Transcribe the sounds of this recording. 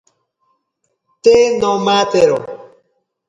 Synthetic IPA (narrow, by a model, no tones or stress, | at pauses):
tenɔ̃mat̪ɛɾɔ